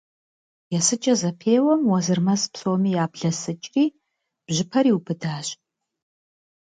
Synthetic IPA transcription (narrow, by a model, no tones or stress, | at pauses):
jɛsɨt͡ʃʼɐzɐpʰeːwɐmwɐzɨrmɐspsoːmiːjaːbɮɐsɨt͡ʃʼriː | b̥ʑɪpʰɐɾiːwupʰɨdaːɕ